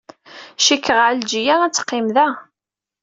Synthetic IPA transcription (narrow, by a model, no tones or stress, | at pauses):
ʃikʰːəʁald͡ʒijæʁæt͡sːə̥qːɪmðæ